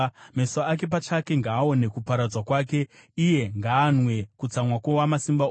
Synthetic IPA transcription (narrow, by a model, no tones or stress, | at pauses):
mesaak̬e̞p̬at͡ʃake̞ŋɡaːo̞ne̞kupaɾad͡zwakwaːke̞ | ije̞ŋɡaːnwe̞kut͡samwakwowamasimba